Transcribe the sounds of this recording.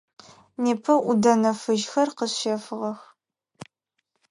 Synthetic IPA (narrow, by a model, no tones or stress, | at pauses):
neːpʰɐʔʷʊdɐnɐfɨʒxɐrqəɕɐfɨʁɐx